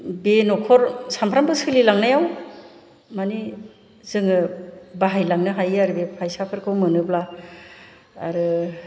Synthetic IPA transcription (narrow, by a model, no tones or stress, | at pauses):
benɔkʰɔɾsampʰɾambɯsɯlilaŋnajaw | mani | zɯŋɯbaɦajlaŋnɯɦajaɾɯbepʰajsapʰɯɾkʰɯwmɯnɯbla | a̰ɾɯ